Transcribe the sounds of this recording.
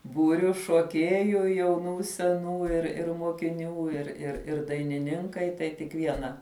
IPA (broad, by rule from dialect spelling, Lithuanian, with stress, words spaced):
ˈbuːrʲʊ ʃuɔˈkʲiɛjʊ jɛʊˈnuː sʲɛˈnuː ɪr ɪr moːkʲɪˈnʲuː ɪr ɪr ˈɪr dɐɪnʲɪˈnʲɪŋkɐɪ tɐɪ tʲɪk ˈʋʲiɛnɐ